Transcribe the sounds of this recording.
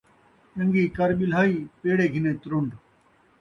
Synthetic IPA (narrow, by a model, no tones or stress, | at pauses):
ə̃ŋɡiːkəɾɓɪlɦaːiːpeːɽeːɡʱɪnẽːt̪ɾʊɳɖ